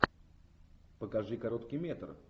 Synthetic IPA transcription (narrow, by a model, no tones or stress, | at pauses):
pəkɐʐɨkɐɾot̪kʲijmʲet̪r